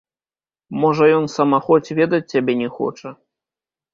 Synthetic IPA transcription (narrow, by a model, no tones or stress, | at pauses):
mɔʐɐjɔnsɐmaxɔt͡sʲvʲɛd̪ɐt͡sʲːabʲɛnʲɛxɔ̰t͡ʂɐ